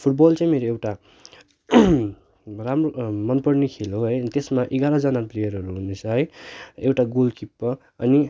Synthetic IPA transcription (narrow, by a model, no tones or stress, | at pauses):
pʰuʈ̚bʌlt͡saĩmeɾoewʈa | ramromʌnpʌrnikʰeloɦʌjt̪esmaʔeɡaɾʌ̃d͡zʌnaprejʌɾʌɾuɦunet͡sʰʌɦʌjewʈaɡolkipːʌ | ʌni